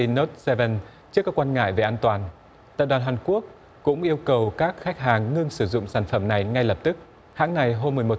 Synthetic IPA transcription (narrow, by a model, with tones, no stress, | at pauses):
no˦˥t̚sɛ˧və˧˩n | t͡ɕɨ˦˥əkːaː˦˥kwaː˧nŋa̰ː˧˨jve˨˩ʔaː˧nt̪waː˨˩n | t̪a̰ː˧˨jɗwaː˨˩nɦaː˨˩nku˦˥ək̚ | kːʊ̰˧˥ŋ͡mʔi˧əwkə˨˩wkaː˦˥k̚xa˦˥k̟̚ɦaː˨˩ŋːɨ˧əŋsɨ˧˩zʊ̰˧˨ŋ͡msaː˧˩nfə˧˩mna˨˩jŋa˧jlə˨˩p̚t̪ɨ˦˥k̚ | ha̰ː˧˥ŋna˨˩jɦo˧mːɨ˨˩əjmo˨˩